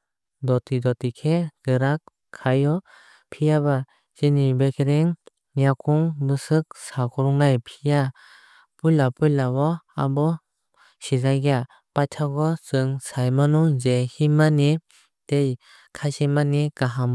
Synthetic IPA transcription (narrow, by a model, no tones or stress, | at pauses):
dɔtidɔtikʰeɡ̥ɯɾakʰː | ajɔ | pʰijaba | sinibekʰeɾeŋ | jakʰuŋbɯsɯk̚sakʰɔɾuŋnajpʰija | pujlapɯjlawɔa̰bɔ | sizajɡa | patʰaɡɔsɯŋsajmanɔzehimani | tej | kʰajsimanikaɦam